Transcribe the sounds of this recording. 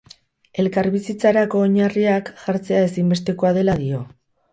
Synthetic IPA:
e̞lkaɾβisit͡saɾako̞ːɲariakʝ̥aɾt͡se̞ae̞simbe̞st̪e̞koað̞e̞lað̞io̞

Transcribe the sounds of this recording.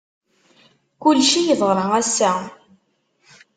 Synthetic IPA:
kʊlʃijəðˤʁɾˤɑʁæsːæ

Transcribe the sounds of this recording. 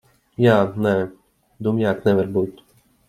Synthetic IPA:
jaːnɛ | d̪umjaknɛʋɛɾbut̪ʲ

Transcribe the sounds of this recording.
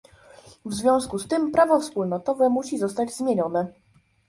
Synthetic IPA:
vzvʲjɔ̃w̃skust̪ɘmpɾavɔfspulnɔt̪ɔvɛmuɕizɔst̪ad͡ʑzmʲjeɲɔnɛ

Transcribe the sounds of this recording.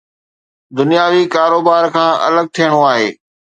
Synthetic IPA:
d̪ʊnijaːʋikaːɾoːbaːɾkʰãːʔɐ̰ləɡ̚t̪ʰijəɽ̃oaːɦeː

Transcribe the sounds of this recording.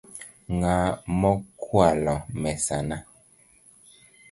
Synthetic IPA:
ŋamɔkʰwalɔmɛsana

